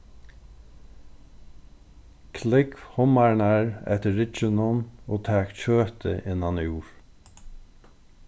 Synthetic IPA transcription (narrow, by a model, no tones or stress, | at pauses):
kʰlɪkhʊmaɹɳæɹɛ̰ht̪əːɪt͡ʃənʊnoːt̪ʰæːkt͡ʃøːt̪ʰə̰ʔɪnɑnjuːɹ